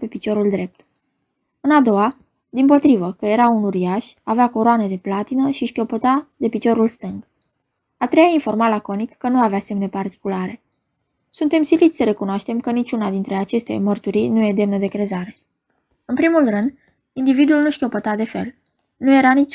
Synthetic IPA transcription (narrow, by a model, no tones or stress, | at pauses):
pe̞pit͡ʃo̞ɾuld̪ɾe̞p̚t̪ | ɨnad̪o̞wa | d̪impo̞t̪ɾivəkəje̞ɾaunuɾiaʃaveakoɾoaned̪e̞plat̪inəʃiʃkʲo̞pət̪ad̪e̞pit͡ʃo̞ɾulst̪ɨŋɡ | at̪ɾe̞jainfo̞rmalako̞nikːənuaveasemene̞part̪i̥kulaɾe̞ | sunt̪e̞msilit̪ʲsəɾe̞kunoaʃt̪e̞mkənit͡ʃʲunad̪int̪ɾe̞at͡ʃe̞st̪e̞̰mərt̪uɾijnuje̞d̪e̞mnəd̪e̞kɾe̞zaɾe̞ | ɨnpɾimulrɨnd̪ | ind̪ivid̪uulnuʃkʲopət̪ad̪e̞fe̞̰l | nuje̞ɾanit͡ʃ